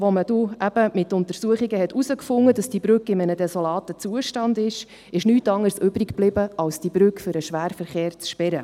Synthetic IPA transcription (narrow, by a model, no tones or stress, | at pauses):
ʋɔməduæb̥əmɪtʊntəɾsuəχiɡəhɛtusəkfʊŋːədɑsd̥ibɾʉkːɪmənədɛsolɑːtət͡suəʃtɑndɪʃ | ɪʃnyːtɑŋəɾsʏbɾikb̥lɪbəɑlsd̥ibɾʏkfʏɾəʃʋæːɾfəɾχeːɾt͡sʃpɛɾə